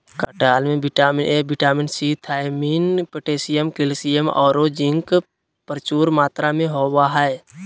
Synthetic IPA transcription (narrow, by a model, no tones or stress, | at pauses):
kaʈaːlmẽbɪʈaːmɪneːbɪʈaːmɪnsiːt̪ʰaːjminpəʈeːsijəmkɪlsijəmɔ̰ːɾod͡ʒɪ̃ŋk | pəɾt͡ʃuːɾmaːt̪ɾamẽɦoːwaɦɛe